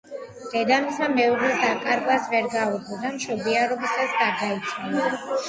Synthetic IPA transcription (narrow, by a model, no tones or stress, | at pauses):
d̪̥ɛd̪amisamɛuʁɛd̪akʼaɾɡasvɛɾɡaɔd̪ɡɔd̪amʃɔbiaɾɔbisasɡaɾd̪ait͡ʃʰnia